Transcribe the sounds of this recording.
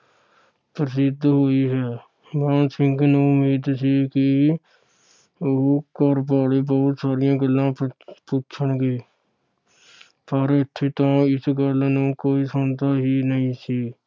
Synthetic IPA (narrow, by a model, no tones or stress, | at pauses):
pɾəs̬ɪd̪ʱːɦoːiɦɛː | ʋãːnsɪ̃ŋkneʊmiːd̪siki | kəɾp̬aːɽebəɦʊt̪saːɾijãɡəlːãpuːt͡ʃʰənɡeː | pəɾɪt̪ʰːet̪ãːɪsɡəlnẽkoːisəːd̪aɦinəɦĩsiː